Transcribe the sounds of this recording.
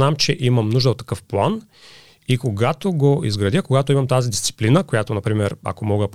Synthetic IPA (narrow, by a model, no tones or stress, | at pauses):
namt͡ʃɛʔimɐmnuʒd̪əot̪ːɐ̥kɤfplˠan | ikoɡat̪oɡoḭzɡɾɐd̪jəkoɡat̪oimɐmt̪azid̪ist̪si̥plinəkojat̪onɐpɾimɛɾɐ̰komɔɡəp